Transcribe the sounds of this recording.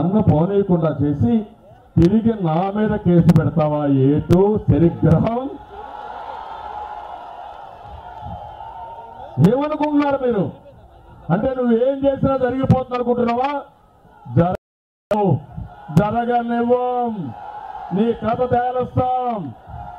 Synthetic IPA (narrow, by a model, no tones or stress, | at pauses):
ɐnd̪ɐpoːnejɐkuɳɖaːt͡ʃe̞ːsi | t̪iɾiɡinaːmiːd̪ɐke̞ːsupɛɽɐt̪aːʋaːjeːʈoːʃɐɾiɡɾɐɦɐm | eːmɐnukuɳnːaːɾumiːɾu | ɐɳʈe̞ːnuʋːueːmt͡ʃe̞ːsinaːd͡ʒɐɾiɡipoːt̪unɐnukuɳʈunːɐʋaː | d͡ʒɐɾ | d͡ʒɐɾɐɡɐneʋɐm | niːkɾɐt̪ɐt̪ɛːɐlɐst̪aːm